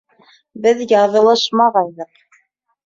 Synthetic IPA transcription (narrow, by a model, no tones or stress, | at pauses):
bɘðjɑðɤ̆lˠɤʃmɑʁɑðːɤq